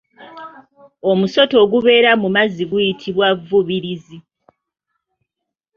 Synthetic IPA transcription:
o̞muso̞to̞ːɡuβe̞ːɾamumaziɡujitʰiβwavːuβiɾizi

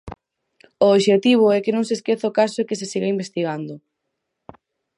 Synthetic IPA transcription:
ooβʃet̪iβ̞ʊɛkɪnõŋseskeθaokasoekes̬esiɣeimbest̪iɣand̪ʊ

